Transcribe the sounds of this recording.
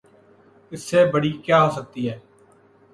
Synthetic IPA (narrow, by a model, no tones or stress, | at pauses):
ɪsːɛːbəɽiːkjaːɦoːsək̚t̪iːɦɛː